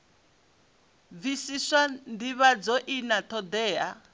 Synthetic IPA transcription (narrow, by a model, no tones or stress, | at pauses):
visisandiβad͡zɔʔinat̪ʰɔd̪ɛːɦa